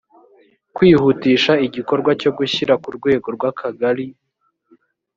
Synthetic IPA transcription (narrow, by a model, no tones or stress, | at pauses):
kwiːhutiːʃaiɟiko̞ɾɡwaco̞ɡuçiɾakuɾɡwe̞ːɡo̞ɾɡwakʰaɡaɾi